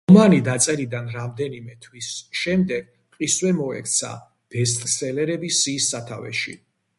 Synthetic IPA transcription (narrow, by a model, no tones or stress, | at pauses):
ɔmanid̪at̪sʼɛlid̪anɾamd̪ɛnimɛt̪ʰwisʃɛmd̪ɛɡ̥̚ | qʼiswɛmɔɛ̰kʰt̪sʰa̰ | b̥ɛst̪t̪ʼkʼsɛlɛɾɛbisiːsːat̪ʰavɛ̰ʃḭ